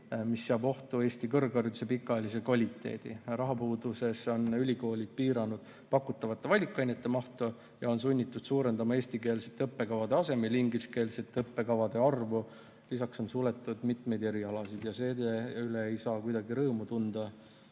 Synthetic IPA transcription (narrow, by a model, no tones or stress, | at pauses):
misːeɑbo̞ht̪ue̞ːsʲt̪ikɤrɡɑrjut̪use̞pikːˑɑelisekvɑlʲit̪ːˑe̞̰ːd̪̥ḭrɑɦɑpuːd̪use̞so̞nylʲiko̞ːlʲid̪̥̚piːɾɑnud̪̥ | pɑkːˑut̪ːˑɑvɑt̪ːe̞vɑlʲikːˑɑjnet̪ːe̞mɑht̪u | jɑo̞ns̬unʲːit̪ːˑud̪̥suːɾe̞nd̪ɑmɑe̞ːst̪ike̞ːlset̪ːeɤpːe̞kɑvɑd̪e̞ɑse̞meliŋɡiske̞ːlset̪ːeɤpːe̞kɑvɑd̪e̞ɑrvu | lisɑkso̞nsule̞t̪ːˑud̪̥mit̪me̞jd̪e̞ɾiɑlɑsid̪̥jɑse̞ːd̪eyleejsɑːkujd̪̥ɑɡiɾɤːmut̪und̪̥ɑ